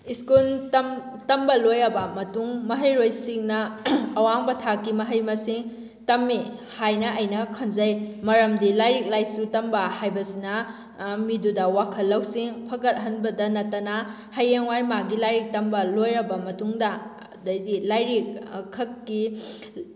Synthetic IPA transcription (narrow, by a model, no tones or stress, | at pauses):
iskuntɐm | tɐmbɐlojɾɐbɐmɐtuŋmɐɦɐjɾojsiŋnɐːwaŋbɐtʰakːimɐɦɐjmɐsiŋ | tɐmːi | hajnɐʔɐjnɐkʰɐnzɐjmɐɾɐmdilajɾik̚lajsutɐmbɐhajbɐsinɐ | midudɐwakʰɐlːɐwsiŋpʰɐɡɐt̚ɦɐnbɐdɐnɐtɐna | hɐjeŋwajmaɡilajɾik̚tɐmbɐlojɾɐbɐmɐtuŋdɐ | dɐjdilajɾik̚kʰːɐkːi